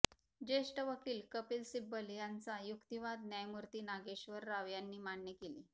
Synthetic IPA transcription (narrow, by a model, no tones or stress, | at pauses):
d͡ʑeʂʈəʋəkiːlkəpiːlsibəljant͡sajukt̪iʋad̪njajmuɾt̪iːnaɡeɕʋəɾːaʋjanːiːmaɳnekelḭː